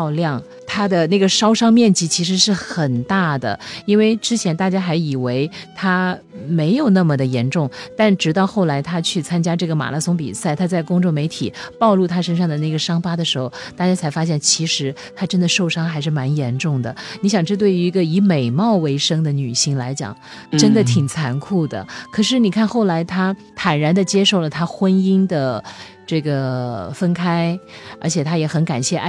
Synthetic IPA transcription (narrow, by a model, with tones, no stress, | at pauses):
ʊljɑ˥˩ŋ | t̪ʰa˥d̪ə˨na˥˩ɡə˩ʂɑ˥ʊʂɑ˥ŋmjɛ˥˩nt͡ɕi˧˥t͡ɕʰi˧˥ʂ̬ɻ̩˧˥ʂɻ̩˥˩xə˨˩nt̪a˥˩d̪ə̰˩i˥nwe˥˩ɪʈ͡ʂɻ̩˥t͡ɕʰjɛ˧˥nt̪a˥˩t͡ɕja˥xa˧˥ɪi˨˩we˧˥ɪt̪ʰa˥ | me˧˥ɪjo˨˩ʊna˥˩mə˩d̪ə˩jɛ˧˥nʈ͡ʂʊ˥˧ŋt̪a˥˩nʈ͡ʂɻ̩˧˩t̪ɑ˥˧ʊxo˥˩ʊla˧˥ɪt̪ʰa˥t͡ɕʰy˥˩t͡sʰa˥nt͡ɕja˥ʈ͡ʂɤ˥˩ɡə˩ma̰˨˩lʔa˥sʊ˧˥ŋpḭ˨˩sa˥˩ɪt̪ʰa˥t͡sa˥˩ɪkʊ˥ŋʈ͡ʂo˥˩ŋme˧˥ɪt̪ʰḭ˨˩pɑ˥˧ʊlu˥˩t̪ʰa˥ʂə˥nʂɑ˥˩ŋd̪ə˩ne˥˩ɡə˩ʂɑ˥ŋpa˥d̪ə˨ʂɻ̩˧˥xo˥˧˩ʊt̪a˥˩t͡ɕja˥t͡sʰa˧˥ɪfa˥ɕjɛ˥˩nt͡ɕʰi˧˥ʂɻ̩˧˥ | t̪ʰa˥ʈ͡ʂə˥nd̪ə˨ʂo˥˩ʊʂɑ˥ŋxa˧˥ɪʂ̬ɻ̩˥˩ma˧˥njɛ˧˥nʈ͡ʂʊ˥˩ŋd̪ə˩ni˧˥ɕjɑ˨˩ŋʈ͡ʂɤ˥˧t̪we˥˩y˧˥i˧˥ɡə˧i˧˥me˨˩ɪmɑ˥˩ʊwe˧˥ɪʂɤ˥ŋd̪ə˨ny˨˩ɕi˥ŋla˧˥ɪt͡ɕjɑ̰˨˩˦ŋ | ʈ͡ʂə˥nd̪ə˨t̪ʰi˨˩ŋt͡sʰa˧˥nkʰu˥˩d̪ə̰˩kʰɤ˨˩ʂ̬ɻ̩˥˩ni˨˩kʰa˥˧nxo˥˩ʊla˧˥ɪt̪ʰa˥t̪ʰa˨˩nɻa˧˥nd̪ə˧t͡ɕjɛ˥ʂo˥˩ʊlə˩t̪ʰa˥xwə˥ni˥nd̪ə˨ | ʈ͡ʂɤ˥˩ɡə˩fə˥nkʰa˥ɪə̰˞˧˥t͡ɕʰjɛ˨˩t̪ʰa˥jɛ˧˥xə˧˥nka˨˩nɕjɛ˥˩ʔ